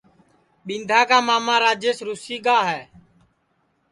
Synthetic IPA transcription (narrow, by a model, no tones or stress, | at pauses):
ɓĩnd̪ʱaːkaːmaːmãːɾaːd͡ʒeːsɾuːsiːɠaːɦɛː